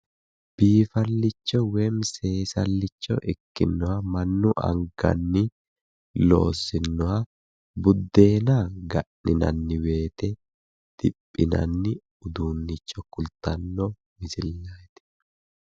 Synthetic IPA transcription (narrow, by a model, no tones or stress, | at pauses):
b̥iːfɐlːɪt͡ʃːɔweːmse̞ːsɐ̰lːɪt͡ʃːɔ̰ʔɪkːɪ̰nːɔhɐmɐnːʊʔɐ̰ŋɡɐ̰nːɪ | lo̞̰ːsːɪnːɔhɐ | bʊd̪ːe̞ːnaɡɐʔɪnɐ̰nːɪwe̞ːt̪ɛ | d̪̥ɪpʼːɪnɐ̰nːɪ | ʊd̪uːnːɪt͡ʃːɔkʊlt̪ɐnːɔ | mɪsɪlːaːjt̪ɪ̥